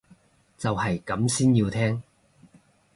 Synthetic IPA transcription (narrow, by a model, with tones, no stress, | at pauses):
t͡sɐ˨whɐ˨jkɐ˨˥msiː˥njiː˧wt̪ʰɛː˥ŋ